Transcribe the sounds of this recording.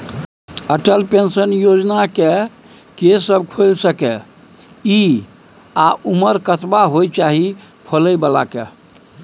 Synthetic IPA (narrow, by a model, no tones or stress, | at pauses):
əʈəlpensənjod͡ʒnake | kesːəbkʰolsəkɛ | i | aʔuməɾkət̪baɦojt͡ʃaɦi | pʰələjbəla̰ke